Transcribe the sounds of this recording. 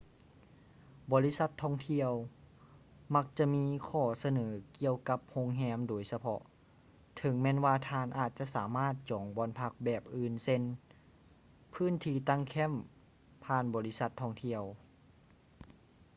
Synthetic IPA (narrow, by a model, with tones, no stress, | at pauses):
bɔː˧˦li˦˧˥sa˧˥t̪ʰːɔː˧˩ŋt̪ʰi˧əw | ma˧˥k̚t͡ɕa˧miː˧˥˨kʰɔː˧˩sa˧nɤː˩˦ki˧əwka˧˦p̚ho˧˨ŋɦɛː˧˥mdoː˩˦jsa˧pʰɔ̰˧˥ʔ | t̪ʰɤ˨˦ŋmɛː˧˥˨nwaː˧t̪ʰaː˧nʔaː˨˩t̪̚t͡ɕa˧˨ʔsaː˩˨˦maː˥˩t̪̚t͡ɕɔː˩˦ŋbɔː˧˥npʰa˧k̚bɛː˨˩p̚ʔɯː˧nse˧n | pʰɯː˧˥˨nt̪ʰiː˧˩˨t̪a˧˨ŋkʰɛ˧˥˨m | pʰaː˧˨nbɔː˧˦li˦˧˥sa˧t̪ʰːɔ˧˩ŋt̪ʰi˧əw